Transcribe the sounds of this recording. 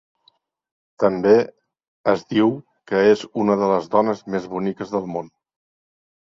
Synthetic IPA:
t̪əmbe | əzðiw | kəezunəðələzðɔnəzmezβunikəzðəlˠmon

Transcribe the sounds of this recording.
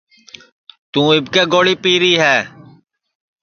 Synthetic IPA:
t̪ũːɪbkeːɡoːɽiːpiːɾiːɦɛː

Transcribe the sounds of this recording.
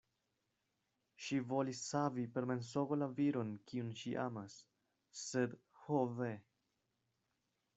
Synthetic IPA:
ʃivo̞lisːavipe̞ɾme̞ns̬o̞ɡolaviɾo̞nkiunʃiʔa̰masː | e̞d̪ | hove

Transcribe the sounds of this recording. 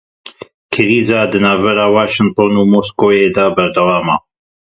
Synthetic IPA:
kʰɨɾiːzɑːd̪ɨnaːvbɛɾɑːwaːʃɪŋt̪ˤoːnuːmoːskoːjeːd̪abɛɾd̪ɐwaːma̰

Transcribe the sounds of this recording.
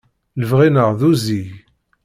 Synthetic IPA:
ləvʁinəʁðuzij

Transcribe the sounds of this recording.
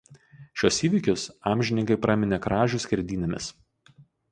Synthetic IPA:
ʃʲuɔsiːʋʲɪˑkʲʊsɑːmʲʒʲɪnʲɪŋkɐɪpɾɑːmʲɪnʲekɾɑːʒʲʊsʲkʲɛɾʲd̪ʲiːnʲemʲɪs

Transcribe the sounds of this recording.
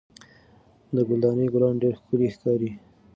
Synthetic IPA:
d̪əɡʊld̪ɑnəjɡʊlɑnɖeɾxkəlixkɑɾi

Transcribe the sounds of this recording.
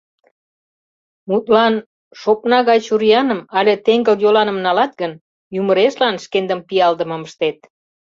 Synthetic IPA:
mut̪lɑn | ʃopnɑɣɑt͡ɕuɾijɑnəmɑlʲet̪eŋɡəljolɑnəmnɑlɑt̪̚ɡən | juməɾeʃlɑnʃkend̪əmpiɑld̪ə̆məməʃt̪et̪̚

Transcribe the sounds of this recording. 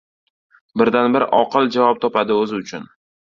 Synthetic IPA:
bɪɾd̪anbɪɾɪʔɒqɨld͡ʒavɒp̚t̪ʰɒpad̪ɪɵzɪʊt͡ʃʰʊn

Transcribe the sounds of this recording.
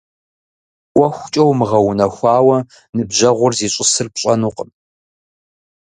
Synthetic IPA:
ʔʷɔxʷt͡ʃʼɐwmɨʁɐwʊnɐxʷɑːwɐ | nɨbʑɐʁʷʊrziːɕʼɪsɨrpɕʼɐnuːqəm

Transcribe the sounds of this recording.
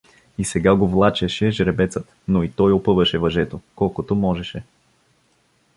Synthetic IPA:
isɛɡaɡovlˠat͡ʃəʃɛʒɾɛbɛt̪sət̪ | noit̪ɔjopɤvəʃɛvɐʒɛt̪okɔlˠkot̪omɔʒɛʃɛ

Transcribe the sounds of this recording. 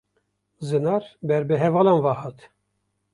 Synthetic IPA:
zɨnɑːɾbɛɾbɨɦɛvɑːlɑnvɑhɑt̪

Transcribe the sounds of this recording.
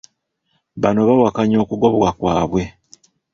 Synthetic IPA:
βano̞βawakaɲo̞ːkuɡo̞βwakwaːβwe̞

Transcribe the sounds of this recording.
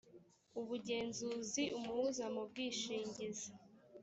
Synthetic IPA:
uβuɟe̞ːnzuːziʔumuuzamub̚ɡiːʃiːɲɟiza

